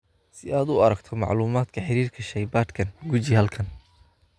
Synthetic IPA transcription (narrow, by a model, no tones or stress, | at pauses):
sɪaːd̪ʊɐɾɐɡt̪ʰɔmɑ̰ʕluːmaːd̪kʰɐħɪɾiːrkʰɐʃɐjbaːd̪kʰɐnɡut͡ʃihɐlkʰɐn